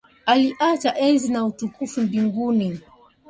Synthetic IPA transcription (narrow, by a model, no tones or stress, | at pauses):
aliʔat͡ʃaʔɛnzinautukufumbiŋɡuni